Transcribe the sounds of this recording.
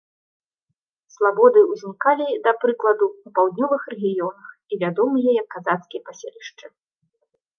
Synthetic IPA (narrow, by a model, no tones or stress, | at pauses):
slˠabɔd̪ɨwzʲnʲikalʲid̪ɐpɾɨklˠɐd̪uːpawd̪nʲɔvɨxrɛɣʲijɔnɐxivʲad̪ɔmɨjɛjɐkːazat̪skʲijɐpasʲelʲiʂt͡ʂɨ